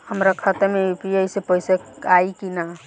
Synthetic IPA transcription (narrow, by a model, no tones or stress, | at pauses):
həmɾakʰət̪emeupiejsepəɦseaikina